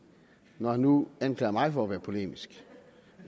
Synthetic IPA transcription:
nɒhænːuænklɛ̰ːɐmɑ̈ɪfɒ̽ːʋæɐpʰo̝le̝̰ːmisɡ̥

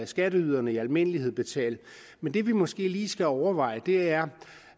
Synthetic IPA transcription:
æsɡ̥æɾ̥əyð̞ˠɐnəiælme̝nəliɦe̝ð̰ˠb̥e̝t͡sʰɛ̰ːl | mend̥e̝ʋimɒ̽sɡ̥e̝̰ːliːsɡ̥æɒʊɐʋɑ̈ɪ̰əd̥e̝æɐ

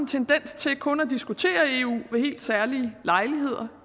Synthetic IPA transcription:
n̩t͡sʰend̥en̰st͡sʰe̝lkʰɔ̽næd̥isɡ̥ut͡sʰe̝̰ːɐe̝ṵːʋehe̝̰ːld̥sæɐliəlɑ̈ɪliɦe̝ð̞̰ˠɐ

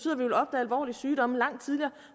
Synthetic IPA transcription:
yðˠɐʋiʋe̝lɒ̽b̥d̥ɛ̰ːælʋɒ̰ːlisyːd̥ɒ̽məlɑ̈ŋ̰d̥̚t͡sʰiðˠliɐː

